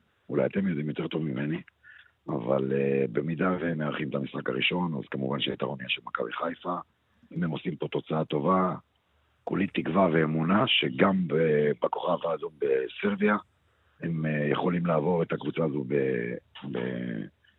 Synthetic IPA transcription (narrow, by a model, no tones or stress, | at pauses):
ulaja̰t̪e̞mjo̞d̪imjote̞ʁt̪o̞vmime̞ni | a̰va̰lebe̞mid̪aveemːeaʁχimet̪amisχaka̰ʁiʃo̞na̰zkamuvanʃeit̪aʁonijaʃelmaka̰viχajfa | imemo̞simpo̞t̪o̞t͡saat̪o̞va | kulit̪ikvave̞ːmunaʃe̞ɡambebako̞χavaːzombe̞seʁbia | hemjeχo̞limlaːvo̞ʁet̪akvut͡saːzubebḛ